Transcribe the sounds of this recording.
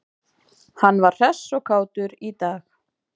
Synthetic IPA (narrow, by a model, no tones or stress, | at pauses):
hanːvaɾ̥r̥ɛsːɔkʰaːwt̪ʏɾit̪aːx